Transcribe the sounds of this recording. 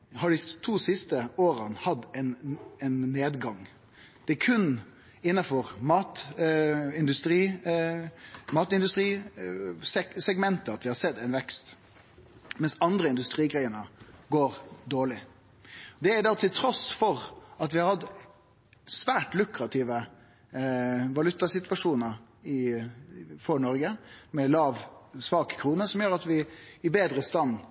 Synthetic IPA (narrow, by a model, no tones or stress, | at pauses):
hɑɖɪt̪ʰuːsɪst̪əoːɾənhɑd̪ɛɪnɛɪnːeːd̪ɡɑŋ | d̪̥ɛkʰʉn | ɪnːɑfɔɾmɑːt̪ | ɪnd̪ʉst̪ɾiː | mɑːt̪ɪnd̪ʉst̪ɾiː | sɛsɛɡmɛnt̪əɑt̪ʋɪhɑsɛd̪ːɛɪnʋɛkst̪ | mɛnsɑnd̪ɾəɪnd̪ʉst̪ɾiːɡʁæɪənəɡoːɾd̪oːɭɪ | d̪ɛæɾd̪ɑːt̪ʰɪlt̪ʰɾɔsfɔɾɑt̪ʋɪhɑɾhɑd̪ | sʋæːʈlʉkɾɑt̪ʰɪʋə | ʋɑlʉt̪ːɑsɪt̪ʋɑʂuːnəɾ | ɪ | fɔɳɔɾɡəmɛlɑːʋsʋɑːkə̥kʰɾuːnəsɔmjøːɾɑt̪ʋɪɪbeːd̪ɾəst̪ɑn